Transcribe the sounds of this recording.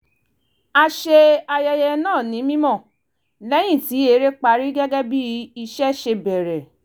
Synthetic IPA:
a˧ʃe˧a˧jɛ˧jɛ˧nãː˦˨nĩ˨˦mĩ˦mɔ̃˦˨ | lɛ˨˦j̃ĩ˦˨ti˨˦e˧˦ɾe˦k͡pa˧ɾi˦ɡɛ˦ɡɛ˦bi˦i˧ʃɛ˦ʃe˧bɛ˨ɾɛ˨

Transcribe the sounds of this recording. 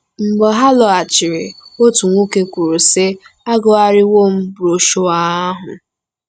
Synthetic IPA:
m̩˨ɡ͡bɔ˨ɦa˦lɔ˨a˨t͡ʃɪ˨ɾɪ˨o˦tu˨ŋʷu˦ke˦kʷu˨ɾu˨se˦a˦ɡɔ˦a˦ɾɪ˦wo˦˨m̩˦bʊ˨ɾo˨ʃo˦a˦a˦ɦʊ̰˨

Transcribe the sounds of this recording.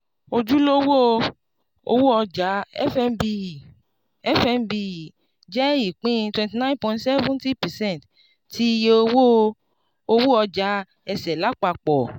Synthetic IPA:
o˧d͡ʒu˦lo˦wo˦ | o̰˧wu˦ɔ˧d͡ʒa˨˦ɛ˦fɛ˦mbi˧˨ | ɛ˦fɛ˧mbi˧˨ | d͡ʒɛ˦i˦˨k͡pĩ˦twɛ̃˨nti˨nã˦npɔ̃˨˦ntsɛ˦vũ˦nti˦pɛ˨sɛ̃˦˨nt | ti˦˧je˦o˧wo˦ | o˧wo˦ɔ˧d͡ʒa˨˦ | ɛ˧sɛ˨la˨˦k͡pa˧˨k͡pɔ˨

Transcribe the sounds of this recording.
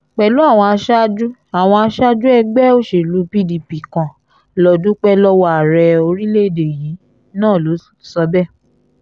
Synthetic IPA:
k͡pɛ˨lu˨˦a˦˨w̃ɔ̃˧a˧ʃa˦d͡ʒu˦a˨w̃ɔ̃˧a˧ʃa˦d͡ʒu˦ɛ˧ɡ͡bɛ˦˨o˦ʃe˨lu˨˦pi˦di˨pi˨kã˨ | lɔ˨dũ˨˦k͡pɛ˧lɔ˧wa˦˨ɾɛ˧˨o˧ɾi˦le˦˨de˨jĩ˨˦ | nãː˦˨lo˨˦ | sɔ˧bɛ˦˨

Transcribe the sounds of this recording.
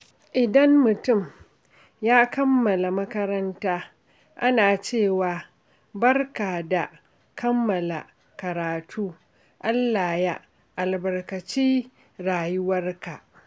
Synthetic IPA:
ʔɪ˨dɐ˦mːʊ˨tʊ˦˨m | jaː˦kɐ˦mːɐ˨la˨mɐ˦kɐ˦ɾɐ˦ntaː˦ | ʔa˦naː˨t͡ʃeː˦˨waː˨ | bɐ˦rkaː˨da˨ | kʰɐ˦mːɐ˨la̰˨ | kɐ˨ɾaː˨tʰuː˦ | ʔa˦lːaː˨ja˦ | ʔa˨lbɐ˨rkɐ˨t͡ʃiː˦ | ɾaː˨jʊ˦wɐ˦rka˨ʔ

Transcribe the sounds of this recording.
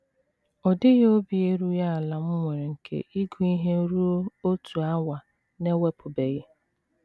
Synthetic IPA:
ɔ˨dɪ˦ɣo˦bi˨e˦ɾu˦ja˦a˨la˨m̩˦ŋʷe˨ɾe˨ŋ̩˨kʰḛ˦˨ʔi˦ɡu˨i˦ɦe˦ɾu˦o˦o˦tʰu˨a˦wa˨ | ne˦we˦pʰʊ˨be˨ɣɪ˦

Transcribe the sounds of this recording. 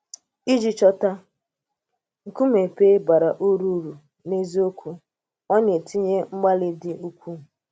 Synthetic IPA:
i˦d͡ʒi˨t͡ʃɔ˦ta˦ | ŋ̩˨ku˦me˨pe˦ba˨ɾa˨ʔu˦ɾu˦ɾu˨ | ne˦zi˦o˦kʰʷu˦ | ɔ˦ɲe˨ti˦ɲe˦ŋ͡m̩˦ɡ͡ba˦lɪ˦dɪ˦ʔu˦kʷu˦˨

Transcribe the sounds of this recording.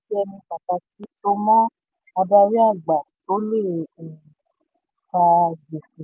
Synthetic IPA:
ti˦ɛ˧nĩ˧k͡pa˨ta˧ti˨˦sɔ̃˧mɔ̃˦ | a˧ba˧ɾi˦a˦˨ɡ͡ba˨nõ˦le˦˨ | ka˧d͡ʒe˨se˨

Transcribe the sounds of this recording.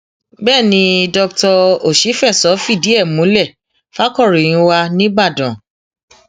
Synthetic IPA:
bɛː˦˨nĩ˧dɔ˧ktɔ˧o˨ʃi˨˦fɛ˦˨sɔ˨˦fi˦˨di˨˦ɛ˦˨mũ˨˦lɛ˦˨ | fa˦kɔ˦˨ɾĩ˨˦wa˧nĩ˦ɡ͡ba˦˨dɔ̃˨

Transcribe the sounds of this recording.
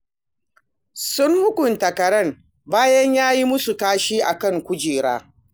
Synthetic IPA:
sʊ˦nhʊ˦kʷʊ˨ntɐ˨kɐ˨ɽɐ˦ŋ | baː˦jɐ˦ɲjaː˦ji˦mʊ˦su˨kaː˦ʃiː˦ʔa˨kɐ˦˨ŋkʷʊ˦d͡ʒiː˨ɽa̰ː˦

